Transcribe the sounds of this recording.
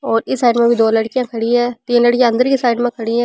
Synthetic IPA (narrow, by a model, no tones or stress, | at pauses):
ɔːɾɪsːaːɪɖmẽbʱid̪oːlɐɽkijãkʰɐɽiɦɛːt̪ĩːnlɐɽkijãɐ̃nd̪əɾkisaːɪɖmẽkʰɐɽiɦɛ̃ː